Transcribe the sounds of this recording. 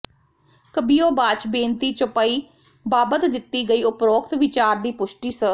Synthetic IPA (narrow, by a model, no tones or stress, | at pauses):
kəbiːjoːbaːt͡ʃbẽːnt̪iːt͡ʃʊpaːiː | baːbət̪d̪ɪt̪ːiːɡəiːʊpɾoːkt̪ʋɪt͡ʃaːɾd̪iːpʊʃʈiːsə